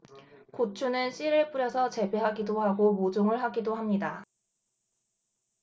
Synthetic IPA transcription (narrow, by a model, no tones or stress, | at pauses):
kot͡ɕʰunɯnɕ͈ʰiɾɯɭp͈uɾjʌsʰʌt͡ɕe̞beɦaɡidoɦaɡomod͡ʑoŋɯɭɦaɡidoɦamɲida